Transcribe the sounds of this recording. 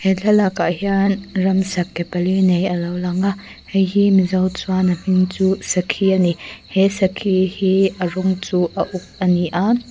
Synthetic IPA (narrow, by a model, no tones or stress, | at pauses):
hɛɬʰɐlɐkaʔhianrɐmsɐkːɛpɐlinejɐlɐwlɐŋa | hɛjhimizɐwt͡swanɐm̥iŋt͡suːsɐkʰianihɛsɐkʰihiʔɐrɔŋt͡suːʔɐʔʊk̚ɐniʔa